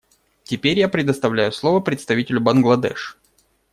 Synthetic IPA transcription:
tʲɪpʲeɾʲjapɾʲɪd̪əst̪ɐvlʲæjʊslˠo̞vəpɾʲɪt̪st̪ɐvʲitʲɪlʲʊbɐnɡlˠɐd̪ɛ̰ʂ

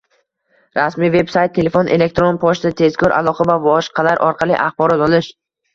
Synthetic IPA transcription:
ɾasmive̞bsajt̪ʰːe̞le̞fonʔe̞̰le̞k̚t̪ɾonpʰɒʃt̪at̪ʰe̞zkʰʲɒɾʔa̰lˠɒqʰavavɒʃqʰɑlaɾʔɒɾqʰɑlˠḭʔaχbɒɾɒt̪ɒlˠɪʃ

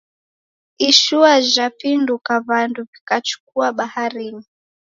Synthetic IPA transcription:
iʃuaʒapindukaβanduvikat͡ʃu̥k̚uaɓahaɾini

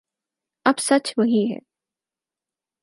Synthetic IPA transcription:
ɐbsɐt͡ʃʋɐɦiɦɛ̰ː

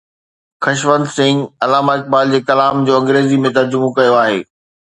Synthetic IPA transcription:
xɐʃʋə̃nd̪sɪ̃ŋɡɐlaːmaːɪk̚baːld͡ʑeːkɐlaːmd͡ʑoːɐ̃ŋɡɾeːzimẽt̪̬ɐɾd͡ʑʊmokɐjoaːɦḛː

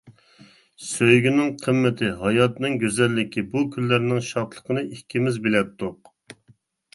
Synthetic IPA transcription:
søjɡʲynɪŋqʰəmːɪt̪ʰɪɦɑjɑt̪nɨŋɡʲøzɛlːɪkʲʰibukʲʰylːæɾnɪŋʃɑt̪lˠə̥qʰənɨʔihkʲːimɪzbelɛt̪ʰːʊq

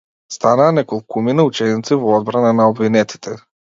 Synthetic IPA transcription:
st̪anaːnɛkolˠkuminaut͡ʃɛnit̪sivɔɔd̪̚bɾananaɔbvinɛt̪i̥t̪ʰɛ

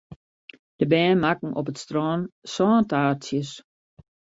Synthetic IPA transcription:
d̥əbɛːnmakŋ̩ʔɔ̰p̬ətstrɔːnsɔːntaːsjəs

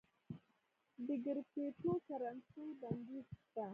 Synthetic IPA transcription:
bɪɡɪɾpeːtokaɾantubanɡista

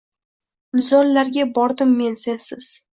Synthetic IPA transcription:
mʊzɒɾlaɾɡʲabɒɾd̪ɪmːe̞nsensɪz̥

